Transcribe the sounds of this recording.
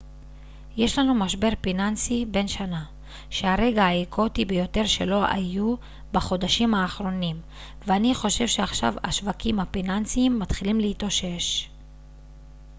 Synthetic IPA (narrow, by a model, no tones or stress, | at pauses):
je̞ʃlanumaʃbe̞ʁpinant͡sibe̞nʃana | ʃe̞aʁe̞ɡaaikʰo̞tibejo̞te̞ʁʃe̞lo̞ʔa̰ju | baχo̞d̪aʃimhaːχɾo̞nim | veaniχo̞ʃe̞vʃeaχʃa̰va̰ʃvakimhafinant͡siimːatχilimleit̪o̞ʃe̞ʃ